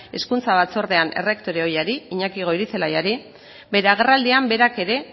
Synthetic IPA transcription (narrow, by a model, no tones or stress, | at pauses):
e̞skunt͡saβat͡so̞ɾðe̞ane̞̰rekt̪o̞ɾeo̞jaɾiiɲakiɣ̞o̞iɾit͡se̞lajaɾi | be̞ɾeaɣ̞e̞rald̪iambe̞ɾake̞ɾe̞